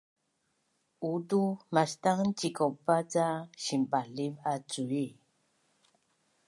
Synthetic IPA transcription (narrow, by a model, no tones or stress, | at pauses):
udumastaŋnt͡ʃikopat͡saɕimbalivat͡sui